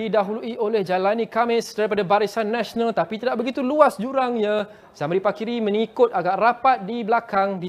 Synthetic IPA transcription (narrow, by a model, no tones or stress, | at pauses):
idaɦuluiʔolɛhd͡ʒalanĩkamɪsdaɾipadabaɾisanːaʃonãlt̪apit̪idaʔbəɡit̪uluasd͡ʒuɾaŋɲã | samɾipakiɾimə̃ŋikʊt̪̚aɡaʔrapat̪̚diblakaŋdi